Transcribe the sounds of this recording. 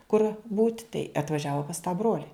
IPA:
kʊr buːtʲ tɐɪ ɐtʋɐˈʒʲæːʋoː pɐs tɑː ˈbroːlʲɪ

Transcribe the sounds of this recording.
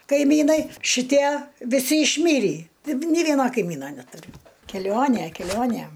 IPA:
kɐɪˈmʲiːnɐɪ ʃʲɪˈtʲiɛ ʋʲɪˈsʲɪ ɪʃʲˈmʲiːrʲiː ˈtɐɪp nʲeː ˈʋʲiɛnoː kɐɪˈmʲiːnoː nʲɛtʊˈrʲʊ kʲɛˈlʲoːnʲeː kʲɛˈlʲoːnʲeː

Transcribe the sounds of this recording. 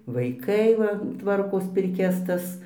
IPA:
ʋɐɪˈkɐɪ ʋɐ ˈtʋɐrkoːs pʲɪrʲˈkʲɛs ˈtɐs

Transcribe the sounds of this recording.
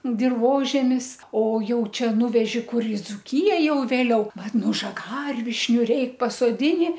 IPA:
dʲɪrˈʋoːʒʲɛmʲɪs oː ˈjɛʊ ˈt͡ʃʲɛ ˈnʊʋʲɛʒʲɪ ˈkʊr ɪ d͡zʊˈkʲɪjɛ jɛʊ ʋʲeːˈlʲɛʊ ˈʋɐt ˈnʊ ʒɐˈɡɐrʲʋʲɪʃʲnʲʊ ˈrʲɛɪk pɐsoːˈdʲɪnʲɪ

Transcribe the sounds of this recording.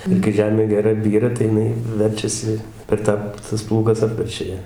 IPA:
ɪr kɐɪ ˈʒʲæːmʲeː ɡʲɛˈrɐ ˈbʲiːrɐ tɐɪ jɪˈnɐɪ ˈʋʲɛrʲt͡ʃʲɛsʲɪ pʲɛr ˈtɑː tɐs ˈplˠuːɡɐs ˈɑːpʲʋʲɛrʲt͡ʃʲɛ ˈjæː

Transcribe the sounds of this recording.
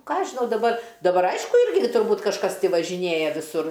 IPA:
ˈkɑːˈɐʃ ʒʲɪˈnɐʊ dɐˈbɐr dɐˈbɐr ˈɐɪʃkʊ ˈɪrʲɡʲɪ tʊrˈbuːt kɐʃˈkɐs tʲɪ ʋɐʒʲɪˈnʲeːjɛ ʋʲɪˈsʊr

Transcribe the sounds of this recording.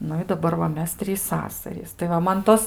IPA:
ˈnʊ ɪ dɐˈbɐr ʋɐ ˈmʲɛs ˈtʲrʲiːs ˈsɑːsɐrʲiːs tɐɪ ˈʋɐ ˈmɐn ˈtoːs

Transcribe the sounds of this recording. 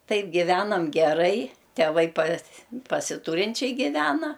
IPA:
ˈtɐɪp ɡʲɪˈʋʲæːnɐm ɡʲɛˈrɐɪ tʲɛˈʋɐɪ pɐs pɐsʲɪˈtuːrʲɪnʲt͡ʃʲɛɪ ɡʲɪˈʋʲæːnɐ

